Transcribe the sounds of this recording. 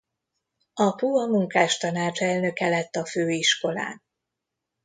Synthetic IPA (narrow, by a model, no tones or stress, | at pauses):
ɒpuɒmuŋkaːʃt̪ɒnaːt͡ʃɛlnø̞kɛlɛt̪ːɒføːiʃko̞la̰ːn